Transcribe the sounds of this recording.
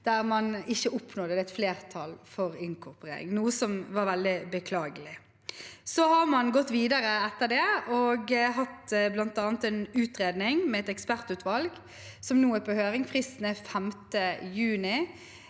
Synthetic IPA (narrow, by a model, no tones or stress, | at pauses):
d̪̥æʁmɑnɪçːəʔʊpnɔd̪əd̪ɛt̪fleːʁt̪ʰɑlfɔʁɪŋkʰʊʁpʁḛːɾɪ̰ŋnuːəsɔmʋɑːɾʋɛld̪ɪbəkʰlɑːɡəlɪ | sɔhɑʁmɑnɡɔt̪ːʋiːd̪ɑɾəɛt̪ːəd̪ɛɔɡɦɑt̪blɑnt̪ɑːnət̪ɛnʉːt̪ʁeːd̪nɪŋmɛːɛt̪ɛkspæʁt̪ʉːt̪ʋɑlɡ | sɔmnuːəpʰohøːʁɪŋfʁisnəfæmt̪əjʉːnɪ